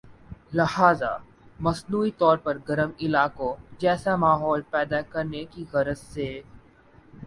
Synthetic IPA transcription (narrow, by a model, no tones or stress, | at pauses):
lɪhaːza̰ | mɐsnuːit̪ɔːɾpɐɾɡɐɾəmɪlaːkõd͡ʒɛːsamaːɦɔːlpɛːd̪akɐɾnekiɣɐɾəzseː